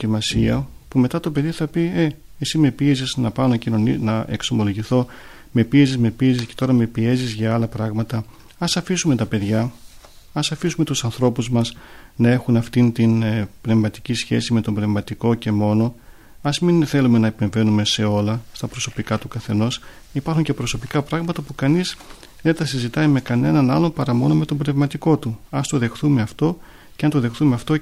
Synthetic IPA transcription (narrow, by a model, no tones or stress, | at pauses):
imɐsiɐpume̞t̪ɐt̪o̞pe̞ðiθɐpie̞ | esime̞pieziznɐpɐnocinoninɐʔekso̞mo̞lo̞ʝiθo̞ | me̞piezizme̞piezisce̞t̪o̞ɾɐme̞pie̞zizʝɐɐlɐpɾɐɣmɐt̪ɐ | ɐsɐfisume̞t̪ɐpe̞ðʝɐ | ɐsɐfisume̞t̪usɐnθɾo̞puzmɐsnɐe̞xunɐft̪int̪inpne̞vmɐt̪i̥cisçe̞̰sime̞t̪o̞mbne̞vmɐt̪iko̞ce̞mo̞no̞ | ɐzminθe̞lume̞nɐepe̞ɱve̞nume̞se̞o̞lɐst̪ɐpɾo̞so̞pikɐt̪ukɐθe̞no̞s | ipɐɾxuɲce̞pɾo̞so̞pikɐpɾɐɣmɐt̪ɐpukɐniz | ðe̞nθɐsizit̪ɐime̞kɐne̞nɐnɐlo̞pɐɾɐmo̞no̞me̞t̪o̞mbnevmɐt̪iko̞t̪uɐst̪o̞ðe̞xθume̞ɐft̪o̞ | ceɐnt̪oðe̞xθumeɐft̪o̞